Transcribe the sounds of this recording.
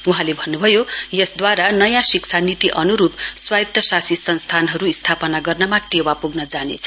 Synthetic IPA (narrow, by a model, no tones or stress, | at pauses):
uɦãlebʱʌnːubʱʌjojʌsd̪waɾanʌjãsiksʰanit̪iʔʌnuɾupswajt̪ʌsasisʌnst̪ʰanɦʌɾuist̪ʰapʌnaɡʌrnʌmãʈewapuɡnʌd͡zanḛt͡sʰʌ̥